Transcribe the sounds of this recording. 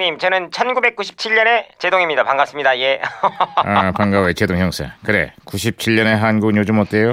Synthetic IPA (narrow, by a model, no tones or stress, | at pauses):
ɲimt͡ɕʌnɯnt͡ɕʰʌnɡube̞k͈uɕʰi̥p̚t͡ɕʰiʎːʌne̞t͡ɕedoŋimɲidapaŋɡas͈ɯmɲidaije | apaŋɡawet͡ɕedoŋɦjʌŋsʰḛkɯɾe̞̰kuɕʰip̚t͡ɕʰiʎːʌne̞ɦanɡuɡɲod͡ʑumot̚t͈ejo